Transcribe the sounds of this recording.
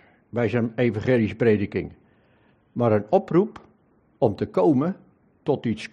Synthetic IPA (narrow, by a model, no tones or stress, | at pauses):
bɛjzənejvãχeːlispreːdəkɪ̰ŋ | maɾənɔprup | ɔmtəkowmə | tɔtis